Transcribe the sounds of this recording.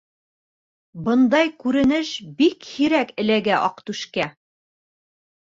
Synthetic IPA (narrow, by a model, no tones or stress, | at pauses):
bɤ̆nd̪ɑjkʉɾɘ̆nɘʃbikhiɾækɘ̆læɡæʔɒqt̪ʉʃkæ